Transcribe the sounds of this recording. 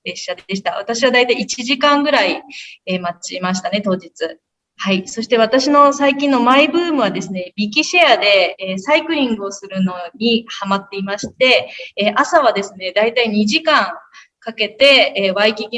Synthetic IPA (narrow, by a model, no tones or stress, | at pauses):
ɾeɕad̪e̞ɕ̬i̥t̪a̰βat̪aɕiβad̪ait̪aiːt͡ɕiʑikãŋɡɯ̟ɾaiemat͡ɕimaɕ̬i̥t̪ane̞t̪o̞ːd͡ʑit͡sɨ | haiso̞ɕi̥t̪e̞β̞at̪aɕino̞saikʲĩnːo̞maibɯ̟ːmɯ̟βad̪e̞sɨne̞bʲik̬ʲiɕead̪e̞ːsaikɯ̟ɾʲĩŋɡɯ̟o̞sɨɾɯ̟no̞ɲ̟ihamat̪ːe̞imaɕi̥t̪e̞ːʔasaβ̞ad̪e̞sɨne̞d̪ait̪aiɲ̟iʑikãŋ | kake̞t̪e̞βaikʲiɡʲ